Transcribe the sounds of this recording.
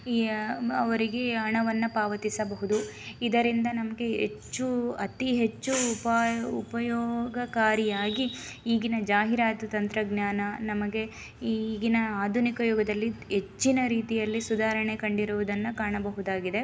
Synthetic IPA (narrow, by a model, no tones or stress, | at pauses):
iɐʋɐɾiɡe̞ɐɳɐʋɐnːɐpaːʋɐt̪isɐbɐɦud̪uid̪ɐɾind̪ɐnɐmɐɡe̞ɦḛt͡ʃːuɐt̪iɦet͡ʃːupɐupɐjɔːɡɐkaːɾijaːɡi | iːɡinɐd͡ʒaːɦiɾaːt̪ut̪ɐnt̪ɾɐɡɲjaːnɐnɐmɐɡe̞ | iɡinɐaːd̪ʱunikɐjɔːɡɐd̪ɐlːiɦet͡ʃːinɐɾiːt̪ijɐlːisud̪ʱaːɾɐɳe̞kɐɳɖiɾuʋud̪ɐnːɐkaːɳɐbɐɦud̪aːɡid̪e̞